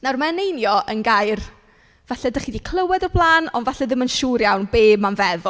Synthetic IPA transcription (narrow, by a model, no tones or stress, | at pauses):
narmaɛnejnjɔʔənɡajr | v̥aɬɛdəχiːdikʰl̥ˠəwɛdɔblˠaːnɔ̰ndvaɬɛðɪmənʃuɾjawnbeːbmanvɛðʊ